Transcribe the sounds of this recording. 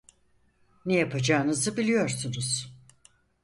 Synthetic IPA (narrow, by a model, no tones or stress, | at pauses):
nejapʰad͡ʒaːɯnɯzɯbilʲijo̞ɾsunuz̥